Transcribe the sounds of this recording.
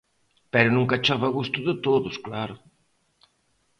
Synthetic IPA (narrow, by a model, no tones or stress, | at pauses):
pɛɾʊnũŋkat͡ʃaβɐɣust̪ʊðɪt̪oðʊsklaɾʊ